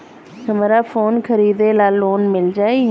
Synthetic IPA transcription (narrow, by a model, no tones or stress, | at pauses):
həmɾaːfʰoːnkʰəɾiːd̪eːlaːlːoːnmɪld͡ʒaːe